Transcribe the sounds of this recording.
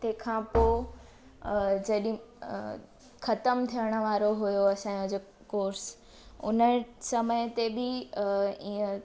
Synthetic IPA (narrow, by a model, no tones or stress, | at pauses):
t̪ekʰãːpoː | d͡ʑɐɗɪ̃ | xʰɐt̪əmt̪ʰijəɽ̃ə̆ʋaːɾoɦujoɐsãːjd͡ʑo | koːɾs | ʊ̰nəsɐməjt̪ebɪ | iə̃